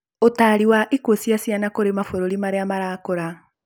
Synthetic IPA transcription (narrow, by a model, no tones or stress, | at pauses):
otaɾiwaʔikwosjasjanakoɾemafoɾoɾimaɾeamaɾaːkoɾa